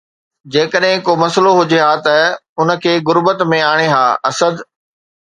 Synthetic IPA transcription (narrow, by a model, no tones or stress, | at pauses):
d͡ʑeːkəɗɦɪ̃komɐsloɦʊd͡ʑeɦaːt̪ɐʊnə̆kʰeːɣʊɾbət̪mẽaːɽ̃eɦaːɐsəd̪